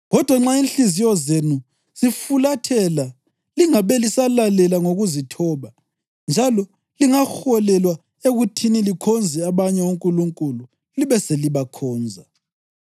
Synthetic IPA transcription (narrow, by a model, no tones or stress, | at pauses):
ɣɔd̥ʱwaŋ͡ǁainɬizijɔzenu | zifulatʰɛla | liŋaβɛlisalalɛlaŋoɣuzitʰɔːβa | nd͡ʒʱalɔ | liŋaxɔlɛlwa | eɣutʰinilikʰɔnd͡zʱɛaβaɲɛuŋkʼuluŋkʼulu | liβɛseliβakʰɔːnd͡zʱa